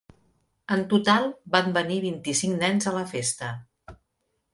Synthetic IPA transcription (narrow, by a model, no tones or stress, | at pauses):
ənt̪ut̪alˠbambəniβint̪isiŋnɛnzələfest̪ə